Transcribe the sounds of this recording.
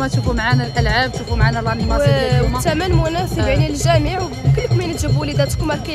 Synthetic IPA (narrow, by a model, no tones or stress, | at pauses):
mæt̪ufumʕanælʔəlʕab̚t̪ufumʕanælɑniɑmt̪æmænmʊnɑsˤəbaʕnilʒæmiʕw | kəlːkminət̪ʒəbulid̪æt̪kumælkæ